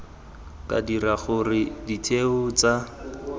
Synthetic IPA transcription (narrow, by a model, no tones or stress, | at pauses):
kʼa̰diraɣʊrɪditʰeʊt͡sa